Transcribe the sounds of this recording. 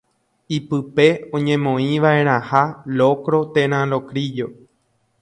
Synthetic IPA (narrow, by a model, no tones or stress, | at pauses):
ipɨpe̞õɲẽ̞mõ̞ĩʋae̞ɾ̃ãhalokɾo̞t̪ẽɾ̃ãlo̞kɾid͡ʒo̞